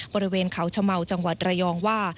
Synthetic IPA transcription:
bɔː˧ɾi˦˥weː˧nkʰa˩˦wt͡ɕʰa˧ma˨˩wt͡ɕa˧ŋwa˨˩t̪̚ɾa˧jɔː˧ŋwaː˥˩

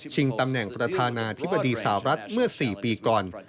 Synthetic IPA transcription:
t͡ɕʰi˧ŋt̪a˧mnɛ˨˩ŋpɾa˧t̪ʰaː˧naː˧t̪ʰi˦˥bːa˧diː˧sa˧˨˩a˨˩ɾa˦˥t̪̚mɯ˥˩ɐsiː˨˩piː˧kɔː˨˩n

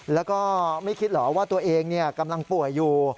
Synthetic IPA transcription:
lɛː˦˥wkɔː˥˩ma˥˩jkʰi˦˥t̪̚lɔː˩˦waː˥˩t̪u˧ɐʔeː˧ŋni˥˩ɐka˧mla˧ŋpu˨˩əjːuː˨˩

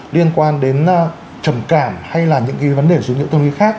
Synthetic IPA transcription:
li˧ənkwaː˧nɗe˨˦n˧ | t͡ɕə˧˩mkaː˧˩mha˧jlaː˨˩ɲɨ̰˧˥ŋka˨˦və˨˦nɗe˨˩zu˨˦ŋḭ˧˥wt̪ə˧nʔḭ˨˦xaː˦˥k̚

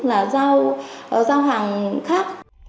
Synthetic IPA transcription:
laː˨˩zaː˧wʔzaː˧wɦaː˨˩ŋxaː˦˥k̚

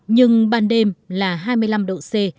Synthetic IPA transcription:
ɲɨ˧ŋɓaː˧nɗe˧mlaː˨˩ɦaː˧jmɨ˧əjla˧mɗo̰˧˨se˧

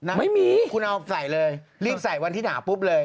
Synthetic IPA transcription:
na˧˦ma˥˩jmiː˧kʰu˧nʔa˧sa˨˩˦jlɤː˧jliː˥˩p̚sa˨˩˦jwa˧nt̪iː˥˩naː˩˦pu˦˥p̚lɤː˧j

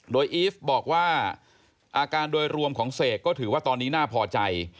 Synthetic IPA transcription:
doː˧jʔiː˦˥fbɔː˨˩k̚waː˥˩ | ʔaː˧kaː˧ndoː˧jɾu˧əmkʰɔː˩˦ŋseː˨˩t̪̚kɔː˥˩t̪ʰɯː˩˦waː˥˩t̪ɔː˧nːiː˦˥naː˥˩pʰɔː˧t͡ɕa˧j

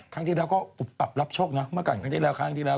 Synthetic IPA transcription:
k̪ʰa˧˦˥ŋt̪ʰiː˥˩ɛː˧wkɔː˥˩u˨˩p̚t̪a˨˩p̚la˦˥p̚t͡ɕʰoː˥˩k̚na˦˥mɯ˥˩əka˨˩nkʰaː˧˥ŋt̪ʰiː˥˩lɛ˦˥wkʰaː˦˥˧ŋt̪ʰiː˥˩ɛː˧˩

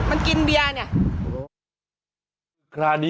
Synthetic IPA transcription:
ma˧nki˧nbi˧a˧ni˧˩ɐ˦ | kʰɾaː˧di˦

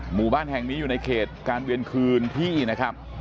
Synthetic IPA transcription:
muː˨˩baː˥˩nhɛ˨˩ŋniː˦˥juː˨˩na˧jkʰeː˨˩t̪̚kaː˧nwi˧ənkʰɯː˧nt̪ʰiː˥˩˨na˦˥kʰa˦˥p̚

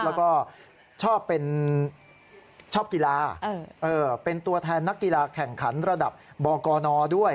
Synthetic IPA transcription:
lɛː˦˥wkɔː˥˩ | t͡ɕʰɔː˥˩pːe˧n | t͡ɕʰɔː˥˩p̚ki˧laː˧ʔɤː˧pe˧nt̪u˧ɐt̪ʰɛː˧nːa˦˥kːi˧laː˧kʰɛ˨˩ŋkʰa˩˦˥nɾa˧da˨˩p̚bɔː˧kɔː˧nɔː˧du˥˩əj

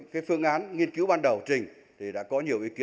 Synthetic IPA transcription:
kaː˨˦jfɨ˧əŋʔaː˨˦nŋi˧ənki˨˦wɓaː˧nɗə˨˩wt͡ɕï˨˩ŋ̟ | t̪ʰi˨˩ɗa̰ː˧˥kɔ˨˦ɲi˨˩əwʔi˨˦ki˨˦

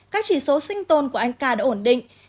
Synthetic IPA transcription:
kaː˦˥k̚t͡ɕi˧˩so˨˦sï˧ŋ̟t̪o˧˩nku˧˩əʔa˧jŋ̟kaː˧˩ɗaː˧˥ʔo˧˩nɗḭ̈˧˨ŋ̟

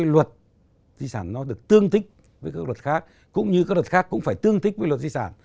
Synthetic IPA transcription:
jlwə˨˩t̚ | zi˧saː˧˩nːɔ˨˦ɗɨ˨˩ək̚t̪ɨ˧əŋt̪ʰï˦˥k̟̚ | vəː˨˦jkaː˦˥k̚lwə˨˩t̚xaː˦˥k̚ | kʊ̰˧˥ŋ͡mɲɨ˧aː˦˥k̚lwə˨˩xaː˦˥kːʊ̰˧˥ŋ͡mfaː˧˩jt̪ɨ˧əŋt̪ʰï˦˥k̚əː˨˦lwə˨˩t̚zi˧saː˧˩n

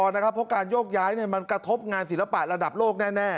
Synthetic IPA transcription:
ɔː˧nː˦˥kʰa˦˥pʰːɔ˦˥kaː˧njoː˥˩k̚jaː˦˥jni˥˩ɐma˧nkɾa˧t̪ʰo˦˥p̚ŋaː˧nsi˩˦la˧pa˨˩ɾa˧da˨˩p̚loː˥˩k̚nɛː˥˩nɛː˥˩

